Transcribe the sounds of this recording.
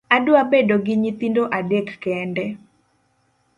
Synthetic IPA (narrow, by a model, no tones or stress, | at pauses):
adʊabedoɡɪɲit̪indoʔadekːɛndɛ